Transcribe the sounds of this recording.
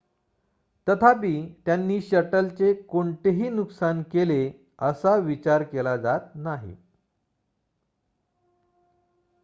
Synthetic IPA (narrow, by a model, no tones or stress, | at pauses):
t̪ət̪ʰapiːt̪janːiːɕəʈəlt͡sekoɳt̪eɦiːnuksankele | əsaʋit͡ɕaɾkelad͡zat̪̚naɦḭ